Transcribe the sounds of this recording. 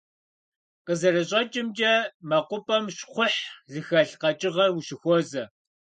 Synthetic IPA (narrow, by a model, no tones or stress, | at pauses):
qəzɐɾɐɕʼɐt͡ʃʼɪmd͡ʒɐmɐqʷʊpʼɐmɕχʷʊħzɨxɐɬqɐt͡ʃʼɪʁɐrwʊɕɪxʷɔzɐ